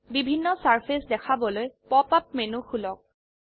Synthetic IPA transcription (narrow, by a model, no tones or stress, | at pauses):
bibʱinːɔsaɹpʰesdɛkʰabɔlojpɔpap̚menuxulɔk̚